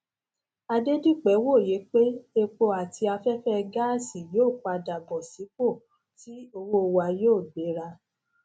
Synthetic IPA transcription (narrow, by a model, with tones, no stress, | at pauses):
a˧de˦di˦k͡pɛ˨˦wo˦˨je˨˦k͡pe˦e˧k͡po˧a˨ti˧a˧fɛ˦fɛ˦˧ɡa˦˨si˨joː˦˨k͡pa˧da˨bɔ˨si˨˦k͡po˦˨ | ti˦o˧wo˦˧wa˧joː˦˨be˨˦ɾa˧